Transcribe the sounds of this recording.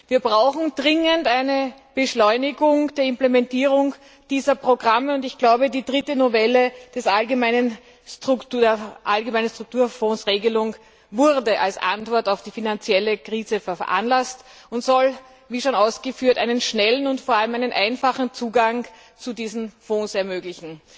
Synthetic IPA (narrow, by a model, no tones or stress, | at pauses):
viːɐbʁaʊxn̩d̥ʁɪŋəntæɪnəb̥əʃlɔʏnɪɡʊŋd̥eːɐɪmplemɛntiːʁʊŋ | d̥iːzɐpʁ̥oɡʁaməʊntɪçɡ̥laʊbədiːdʁɪtənovɛləd̥ɛsʔalɡəmæɪnən | stʁʊktudeːɐʔalɡəmæɪnəstʁ̥ʊk̚tuːɐfɔ̃ːsʁeːɡəlʊŋ | vʊʁdəʔalsʔa̰ntvɔɐtaʊfd̥iːfinant͡sjɛləkʁiːzəfɛɐʔa̰nlast | ʊntz̥ɔl | viːʃoːnaʊsɡ̥əfyːɐtæ̰ɪnənʃnɛlən̩ʊntfoːɐaləmæɪnənʔaɪnfaχn̩t͡suːɡaŋ | t͡sudiːzn̩fõːsɛɐmøːɡlɪçn̩